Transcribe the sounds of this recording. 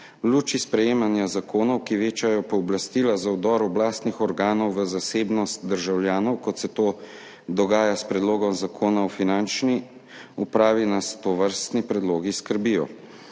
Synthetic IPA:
luːt͡ʃispɾɛjeːmanjazakoːnɔwkiʋeːt͡ʃajɔpɔːblast̪iːlazawd̪ɔɾɔblaːst̪nixɔɾɡaːnɔwʋəzaseːbnɔst̪̚d̪əɾʒawljaːnɔwkɔt̪sɛt̪oː | d̪ɔɡaːjaspɾɛd̪loːɡɔmzakʰoːnaɔfinant͡ʃni | upɾaːʋinast̪ɔʋəɾst̪nipɾɛd̪loːɡiskəɾbijɔ̰

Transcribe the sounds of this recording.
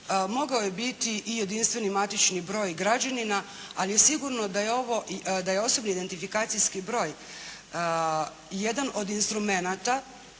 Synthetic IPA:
mo̞ɡaoje̞bit̪iʔːje̞d̪inst̪ʋe̞nimat̪it͡ʃnibɾo̞ːjɡɾad͡ʑanina | alije̞siɡuɾno̞d̪ajeo̞ʋo̞d̪ajeo̞so̞bniid̪e̞nt̪ifikaːt̪sijskibɾo̞ːj | jed̪anʔo̞d̪inst̪ɾume̞nat̪a

